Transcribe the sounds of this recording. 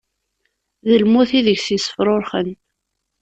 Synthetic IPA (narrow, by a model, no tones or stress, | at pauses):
ðəlmuθiðəʝθjsə̥fɾˤoɾχən